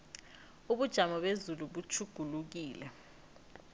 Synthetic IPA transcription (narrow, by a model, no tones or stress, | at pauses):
uɓud̥ʒ̥ʱamɔɓezuluɓut͡ʃʰuɡ̥ʱuluk̬iːlɛ